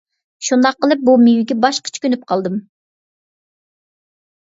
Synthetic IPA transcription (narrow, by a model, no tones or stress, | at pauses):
ʃund̪ɑqːəlˠɨp̚bumyjyɡʲɛbɑʃqʰə̥t͡ʃʰkʲønyp̚qʰɑlˠd̪ɨm